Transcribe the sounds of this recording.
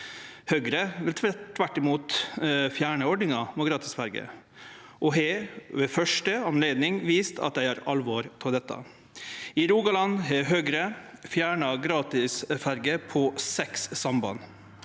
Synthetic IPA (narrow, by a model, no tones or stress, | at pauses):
høːɡɾəʋɪlt̪ʰt̪ʰʋæʈːɪmuːt̪fjæːɳəɔɖɳɪŋɑmoɡɾɑːt̪ɪsfæɾɡə̰ | ʔɔɦɛʋeːfœʂʈəɑmleːd̪nɪŋʋiːst̪ʰɑ̰t̪̚d̪æɪhɑːɾɑ̰lʋɔɾt̪ʰɪld̪ɛt̪ʰːɑ̰ | ɪɾuːɡɑlɑnɦɛɦøːɡɾəfjæːɳɑɡɾɑːt̪ɪsfæɾɡəpʰɔsɛksːɑmbɑ̰n